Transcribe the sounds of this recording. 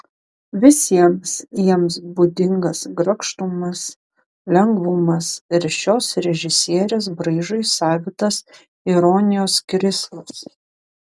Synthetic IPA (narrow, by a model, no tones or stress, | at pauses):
ʋʲɪsʲiɛmsjiɛmsbʊd̪ʲɪŋɡɐsɡɾɐkʃt̪umɐs | lʲɛŋɡʋʊmɐsɪɾʃʲoːsɾʲɛʒʲɪsʲiɛɾʲeːs̬bɾɐɪʒɐɪsɑːʋʲɪt̪ɐs | ɪɾɔnʲɪjoːskɾʲɪslˠɐs